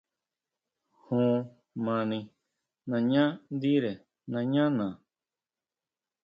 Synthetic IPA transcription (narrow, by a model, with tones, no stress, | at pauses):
hũː˨˧˨ | mã˧nĩ˧ | nã˧ɲã˦d̪i˦ɾe˨ | nã˧ɲã˦nã˨